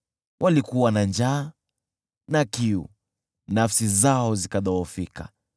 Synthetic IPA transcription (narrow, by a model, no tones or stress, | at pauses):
wʔalikuwanand͡ʒaː | nakiṵ | nafsizaɔzikaɗɔɔfika̰